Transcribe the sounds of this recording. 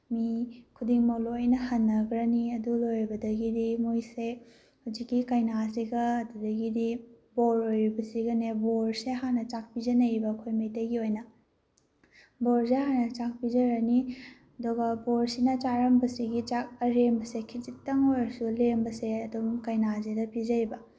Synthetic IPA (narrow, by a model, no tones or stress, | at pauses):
mikʰudiŋmɐklojnɐhɐnːɐɡɾɐniɐdulojɾbɐdɐɡidimojse | huzikːikɐjnasiɡɐːdudɐɡidi | boɾojɾibɐsiɡɐneboɾseɦanɐt͡ʃak̚pizɐnɐjibɐːkʰojmejtɐjɡiojnɐ | boɾs̬eɦanɐt͡ʃak̚pizɐɾɐni | ɐdoɡɐboɾsinɐt͡ʃaɾɐmbɐsiɡit͡ʃak̚ɐɾembɐsekʰit͡ʃitːɐŋojɾɐsulembɐseɐdumkɐjnazedɐpʰizɐjbɐ